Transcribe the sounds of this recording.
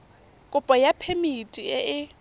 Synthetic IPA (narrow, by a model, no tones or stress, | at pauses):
kʼʊpʼɔjapʰemitʼiɪʔɪ